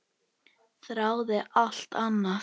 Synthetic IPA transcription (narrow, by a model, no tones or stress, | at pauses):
θɾaːwðɪʔal̥t̪ʰanːa